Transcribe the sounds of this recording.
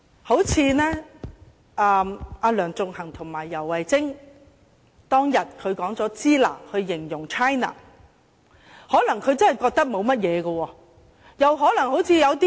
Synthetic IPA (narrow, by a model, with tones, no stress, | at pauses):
ho˨˥wt͡sʰiː˨˧nɛː˥ | ʔɛː˧mʔaː˧lœː˨˩ŋt͡sʊ˨ŋhɐ˨˩ŋt̪ʰʊ˨˩ŋmaː˨˩jːɐ˨˩wːɐ˨jt͡sɪ˥ŋ | t̪ɔː˥ŋjɐ˨t̚kʰɵ˨˧ɥkɔː˨˥ŋt͡sɔː˨˥t͡siː˥la̰ː˨˩hɵ˧ɥːɪ˨˩ŋjʊ˨˩ŋt͡ʃʰaː˥jna̰ː˨˩ | hɔː˨˥lɐ˨˩ŋkʰɵ˨˧ɥt͡sɐ˥nhɐ˨jkɔː˧k̚t̪ɐ˥k̚mo˨˧wmɐ˥t̚jɛː˨˧ɡɐ˧wɔː˧ | jɐ˨wɦɔː˨˥lɐ˨˩ŋho˨˥wt͡sʰiː˧jɐ˨˧wt̪̬iː˦˥